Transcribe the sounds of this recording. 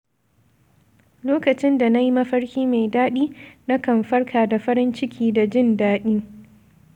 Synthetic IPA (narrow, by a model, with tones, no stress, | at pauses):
loː˦kɐ˨t͡ʃɪ˦nda˨na˦ji˦mɐ˦ɸɐ˦ɽkʲiː˦ma˨jdaː˦ɗiː˦na˦kɐ˨mɸɐ˦rkʰaː˨da˨ɸɐ˦ɾɪ˦nt͡ʃɪ˦kʲʰiː˦da˨d͡ʒɪ˦˨ndaː˦ɗiː˦